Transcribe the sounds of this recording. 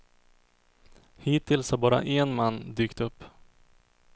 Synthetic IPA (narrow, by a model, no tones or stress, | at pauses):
hiːt̪ʰːɪlshaɾbɑːɾa̰ʔɛnmanːd̪yːkt̪ɵpː